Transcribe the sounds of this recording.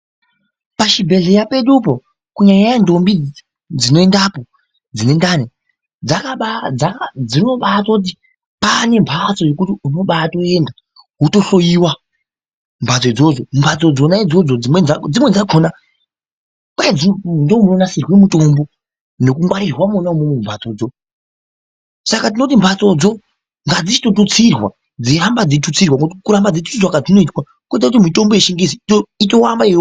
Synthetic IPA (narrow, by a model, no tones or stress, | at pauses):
paʃibʱe̞ɮe̞jape̞ɗupo̞ | kuɲajajando̞mbi | d͡zino̞e̞ndapo̞ | d͡zine̞ndane | d͡zakaɓad͡zakad͡zino̞ɓatot̬i | pane̞mbʰʱat͡so̞jekutiuno̞ɓaːto̞e̞nda | ɦuto̞ɬo̞jiwa | mbʱat͡so̞id͡zo̞d͡zombʰʱat͡so̞d͡zo̞naid͡zo̞d͡zoimwed͡zimwe̞d͡zaɡʱo̞na | kwaad͡zindomuonasirwemuto̞mbo̞ | no̞kuŋɡwaɾirwamonaumwemumbʱat͡so̞ːd͡zo̞ | sakat̬ino̞t̬imbʱat͡so̞d͡zo̞ | ŋɡad͡zit͡ʃi̥tot̬ut͡sirwa | d͡zeɾambad͡zetut͡sirwaŋɡotikuɾambad͡zetu̥t͡siswakad͡zino̞itwa | kuit̬akutimito̞mbo̞jeʃiŋɡis̬ioito̞wambaio